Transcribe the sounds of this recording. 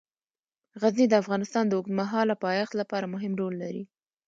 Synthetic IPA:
ɣaznid̪əafɣɑnɪst̪ɑnd̪əʊɡnmaɦɑlapɑjɑxt̪lapɑɾamʊɦɪmɖolːaɾḭ

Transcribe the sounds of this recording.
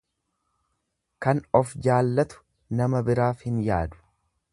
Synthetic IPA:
kɐnɔfd͡ʒaːlːɐt̪ʊ̥ | nɐmɐbɪɾaːfhɪnja̰ːd̪ʊ̥

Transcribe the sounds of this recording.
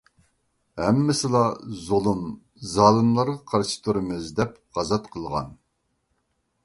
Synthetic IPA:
hɛmːɪsɪlˠɑzolˠɨm | zɑːlˠɨnlˠɑɾʁɑqʰɑɾʃɨ̥t̪ʰuɾɨmɨzd̪ɛpʁɑzɑt̪qʰəlˠʁɑ̰n

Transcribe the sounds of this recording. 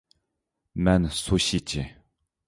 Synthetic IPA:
mansʰoɕit͡ɕe

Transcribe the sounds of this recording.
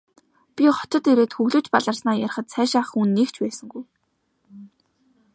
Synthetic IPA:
pʲiχɔ̥t̪ɞ̆t̪eɾeːt̪xɵɣɮŭt͡ɕpaɮə̆rsnaːjaɾ̆χə̆t̪sæːʃaːχunːeːkt͡ɕpæːsə̆ŋɡuj

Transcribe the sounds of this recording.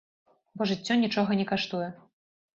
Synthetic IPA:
bɔʐɨt͡sʲːɔnʲit͡ʂɔɣɐnʲɛkaʂt̪ujɛ

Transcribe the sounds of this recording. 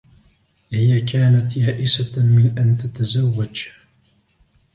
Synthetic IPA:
hɪjakaːnat̪jaːʔɪsamɪnʔant̪at̪azawːad͡ʒ

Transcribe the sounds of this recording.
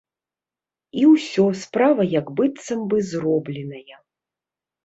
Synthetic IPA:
iwsʲɔspɾavɐjɐɡbɨt̪sɐmbɨzrɔblʲɛnɐjɐ

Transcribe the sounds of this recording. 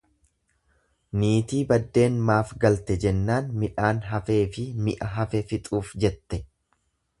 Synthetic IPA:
niːt̪iːbɐd̪ːe̞ːnmaːfɡɐlt̪ɛd͡ʒɛnːaːnmɪᶑaːnɦɐfe̞ːfɪmɪʔɐɦɐfɛfɪt̪ʼuːfd͡ʒɛt̪ːɛ

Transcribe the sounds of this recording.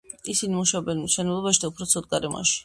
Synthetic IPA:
isinimuʃaɔbɛnmiʃɛnɛblˠɔbaʃid̪aupʰɾɔt̪sʰɔd̪̚ɡaɾɛmɔ̰ʃi̥

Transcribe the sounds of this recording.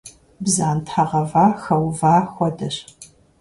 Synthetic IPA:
bzaːntʰħaʁɐvaːxɐwvaːxʷɔdɐɕ

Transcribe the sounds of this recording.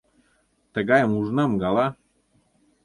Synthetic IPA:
t̪ə̆ɣɑjəmuʒnɑmɡɑlɑ

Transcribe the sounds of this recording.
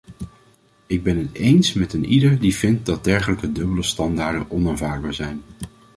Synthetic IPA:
ɪɡ̚bɛnɦətejnsmɛtənidəɹdivɪnt̚dɑt̚dɛɹχələkədɵbələstɑndaːɹdə̰nʔɔnanvaːɹd̚baːɹzɛjn

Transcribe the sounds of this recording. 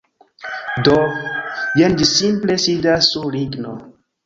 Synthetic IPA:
do | jendisimplesidasːuliɡno̰

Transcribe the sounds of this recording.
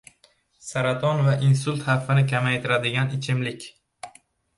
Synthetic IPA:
saɾat̪ʰɒnvaʔinsʊlʲˠt̪haffːɪnɪkʲʰamajt̪ʰɪɾad̪ɪɡʲanɪt͡ʃʰɪmlɪkʲ

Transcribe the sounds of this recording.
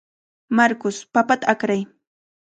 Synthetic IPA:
maɾkʊspapat̪aakɾaj

